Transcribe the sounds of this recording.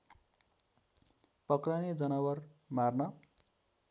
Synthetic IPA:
pʌkraned͡zʌnʌwʌrmarnʌ

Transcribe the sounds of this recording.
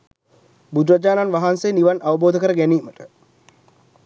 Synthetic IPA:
bud̪rad͡ʒaːnanʋaɦansejniʋanʔaʋəboːd̪əkəɾəɡæniːməʈə

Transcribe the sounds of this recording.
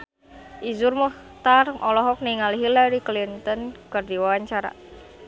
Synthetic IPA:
ʔizʊrmɔht̪arʔɔlɔɦɔk̚niŋaliɦilaɾiklint̪ənkard̪iwawaɲt͡ʃaɾa̰

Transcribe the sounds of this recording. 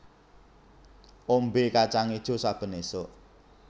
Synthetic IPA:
ombekat͡ʃaŋid̥ʒ̥o̤sab̥ə̤nesoʔ

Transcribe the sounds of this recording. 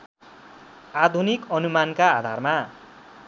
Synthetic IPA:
ad̪ʱunikʌnumankaːd̪ʱa̰rma

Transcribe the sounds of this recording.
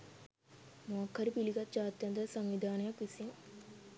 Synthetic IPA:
moɐkːɐɾipiliɡɐt̪ːd͡ʒaːt̪jɐnd̪əsaŋʋid̪ʱaːnəjakʋisiŋ

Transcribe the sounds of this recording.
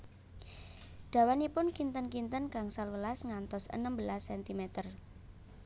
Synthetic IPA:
ɖ̥a̤wanipʊnkint̪ənkint̪ənkaŋsalwəlasŋant̪ɔsə̰nəmbəlasːɛnt̪imet̪ər

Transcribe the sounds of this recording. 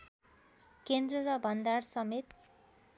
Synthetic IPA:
kend̪rʌɾʌbʱʌnd̪arsʌmet̪

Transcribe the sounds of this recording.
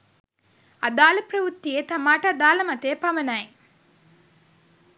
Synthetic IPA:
ad̪aːlɐprɐʋut̪ːiet̪amaːʈəad̪aːlɐmɐt̪eːpamənae

